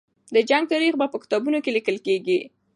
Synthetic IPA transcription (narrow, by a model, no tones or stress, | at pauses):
d̪əd͡ʒaŋɡ̚t̪əɾiɣbapəkɪ̥t̪ɑbunokelikəlkeɡi